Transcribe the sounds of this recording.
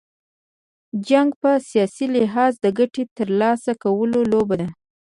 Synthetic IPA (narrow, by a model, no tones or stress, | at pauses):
d͡ʒaŋɡpəsijɑsilɪɦɑzd̪əɡaʈet̪əɾlɑsakawəlolobad̪a